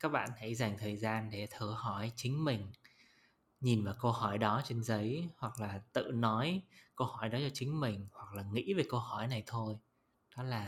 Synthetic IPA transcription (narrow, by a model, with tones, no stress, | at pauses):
kaː˦˥k̚ɓa̰ː˧˨nhə˧˩jza˨˩jŋ̟t̪ʰəː˨˩jzaː˧nɗe˧˩t̪ʰɨ˧˩hɔ˧˩jt͡ɕï˨˦ŋ̟mï˨˩ŋ̟ | ɲi˨˩nvaː˨˩wkə˧whɔ˧˩jɗɔ˨˦t͡ɕe˧nzə˨˦jhwa˨˩k̚laː˨˩t̪ɨ̰˧˨nɔ˨˦jkə˧whɔ˧˩jɗɔ˨˦t͡ɕɔ˧t͡ɕï˨˦ŋ̟mï˨˩ŋ̟hwa˨˩k̚laː˨˩ŋḭ˧˥ve˨˩kə˧whɔ˧˩jna˨˩jt̪ʰo˧j | ɗɔ˨˦laː˨˩